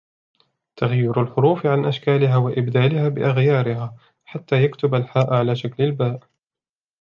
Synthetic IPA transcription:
t̪aɣjːiːɾalħʊɾuːfʕanʔaʃkaːlɪɦaːwaʔɪbd̪aːlɪhaːbɪ̰ʔaɣjɑːɾɪhaː | ħat̪ːaːjakt̪ʊbalħaːʔʕalaːʃaklɪlbaːʔ

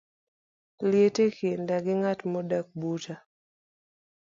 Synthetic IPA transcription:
ljetekendaɡɪŋatmɔdak̚buta

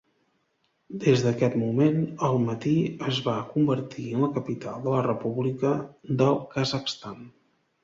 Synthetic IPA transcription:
d̪ezðəkɛt̪mumenəlˠmət̪iəzβakumbəɾt̪iənləkəpit̪alˠd̪ələrəpuβlikəd̪əlˠkəzəkst̪an

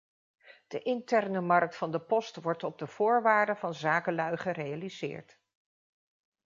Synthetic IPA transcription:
d̥əʔɪntɛrnəmɑɹk̚tfɑndəpɔstʋɔɹtɔb̚dəv̥ʊːɹʋaːɹdəvɑnzaːkəlœɥχərejalizɪ̰ːɹt

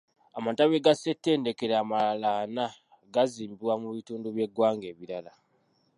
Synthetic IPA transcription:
amataβeɡase̞tːe̞ːnde̞ke̞ɾamaalana | ɡaziːmbiwamuβituːnduβje̞ɡwaːŋɡe̞ːβiɾala

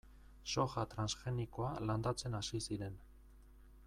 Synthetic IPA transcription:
so̞xat̪ɾansxe̞niko̞aland̪at͡se̞nasisiɾe̞n

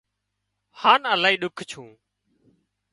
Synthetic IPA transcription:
haːnəlaːɦiːɗʊkʰt͡ʃʰũː

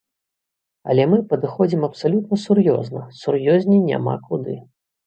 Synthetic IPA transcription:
ɐ̰lʲɛmɨpɐd̪ɨxɔd͡zʲimɐpsalʲut̪nɐsurjɔ̰znɐ̰surjɔzʲnʲinʲa̰ma̰kud̪ɨ

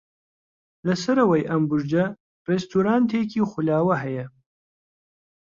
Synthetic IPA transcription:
lɐsɐɾɐwɐjʔɐmbuʒd͡ʒɐ | rɛst̪ʰuɾaːnt̪ʰeːkiːxulaːwɐɦɐjɛ

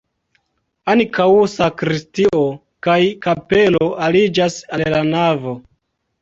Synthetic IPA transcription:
ankawusakɾistiʔo̞ | kajkape̞lo̞ʔalid͡ʒasallanavo̞

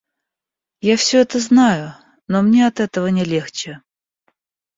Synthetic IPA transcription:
jafsʲɵɛt̪əznajʊ | nomnʲeɐt̪ɛt̪əvənʲɪlʲe̞xt͡ɕɪ

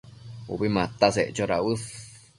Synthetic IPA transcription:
ṵβimãt̪aseʔt͡ʃoɾaɨs

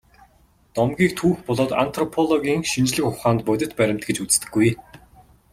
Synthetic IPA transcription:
t̪ɔmɡʲiːkt̪ʰuːxpɔɮɔːt̪a̰n̥t̪ʰrɔpʰɔɮɔɣʲiːŋʃint͡ɕɮɘ̆kʊχaːnt̪̚pɔt̪ʲɪ̆t̪pæɾʲɪ̆m̥t̪̚ɡet͡ɕut͡s̆t̪ɘ̆ɡːuj

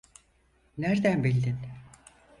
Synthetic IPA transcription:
næɾd̪ænbilʲd̪in

